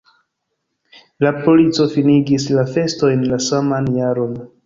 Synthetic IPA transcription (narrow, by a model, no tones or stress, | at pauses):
lapolit͡so̞finiɡislafe̞sto̞jnlasamanjaɾo̞n